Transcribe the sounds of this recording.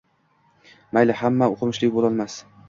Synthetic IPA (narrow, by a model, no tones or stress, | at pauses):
majlɪhamːaoqʰɨmɪʃlɪkʲbolˠɒlˠmas